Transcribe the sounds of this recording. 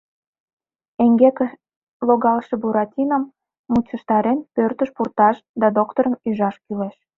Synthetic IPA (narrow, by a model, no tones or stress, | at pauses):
eŋɡeke | loɣɑlʃebuɾɑt̪ʲinəmː | ut͡ɕə̆ʃt̪ɑɾenpørt̪əʃpurt̪ɑʃd̪ɑd̪okt̪oɾənyʒɑʃkyleʃ